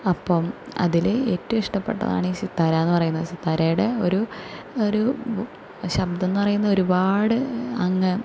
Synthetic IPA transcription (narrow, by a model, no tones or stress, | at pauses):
ɐpːomɐ̰ðileːtːɐmiʂʈɐpːe̞̰ʈːɐ̰ða̰ːɳiɕit̪ːaːɾaenːɨpɐrɐjunːɐðɨɕit̪ːaːɾajuɽeo̞ɾu | oɾu | ɕɐbd̪e̞nːɨpɐrɐjunːɐðo̞ɾubaːɽɨɐŋːɐ